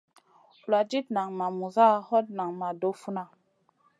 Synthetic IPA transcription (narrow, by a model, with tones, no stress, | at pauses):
la˨d͡ʒi˦tna˨ŋma˨mu˨za˦hɔ˦t̚na˨ŋma˨do˦fu˦na˦